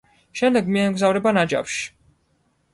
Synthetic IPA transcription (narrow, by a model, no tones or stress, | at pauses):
ʃɛmd̪ɛɡmiɛmɡzavɾɛbanad͡ʒa̰pʃi̥